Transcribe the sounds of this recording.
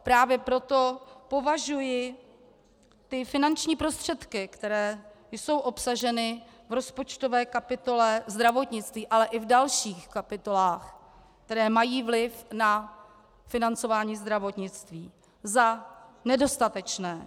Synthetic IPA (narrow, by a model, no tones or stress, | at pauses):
pɾaːvjɛpɾo̞t̪o̞po̞vaʒujɪ | t̪ɪfɪnant͡ʃɲiːpɾo̞st̪r̝̥ɛt̪kɪkt̪ɛɾɛː | jso̞wʔo̞psaʒɛnɪvɾo̞spo̞t͡ʃt̪o̞vɛːkapɪt̪o̞lɛzd̪ɾavo̞t̪ɲɪt͡st̪viːʔalɛʔɪvdalʃiːxkapɪt̪o̞laːx | kt̪ɛɾɛːmajiːvlɪfna | fɪnant͡so̞vaːɲiːzd̪ɾavo̞t̪ɲɪt͡st̪viː | zanɛdo̞st̪at̪ɛt͡ʃnɛː